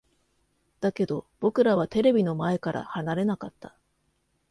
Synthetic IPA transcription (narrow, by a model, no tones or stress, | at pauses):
d̪̥ake̞d̪o̞b̥o̞kɯ̟ɾaβ̞at̪e̞ɾe̞bʲino̞mae̞kaɾʔa̰hanaɾe̞nakat̪ːa